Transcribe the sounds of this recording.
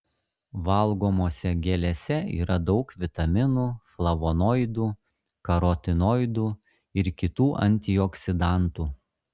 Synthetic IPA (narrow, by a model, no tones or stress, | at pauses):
ʋɐlˠɡoːmoːsʲɛɡʲɛlʲɛsʲɛḭːɾɐd̪ɒʊkʋʲɪt̪ɐmʲɪnuːflˠɐʋoːnoːɪd̪uː | kɐɾoːt̪ʲɪnoːɪd̪uː | ɪɾkʲɪt̪uːʔɐ̰nʲt̪ʲiɔksʲɪd̪ɑˑnt̪uː